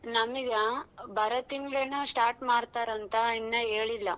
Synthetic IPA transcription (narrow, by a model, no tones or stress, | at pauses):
nɐmiɡɐbʱɐɾɐt̪iŋɡɭenɐsʈaːɾʈmaːɽt̪aːɾɐnt̪ɐinːɐɦeːɭilːɐ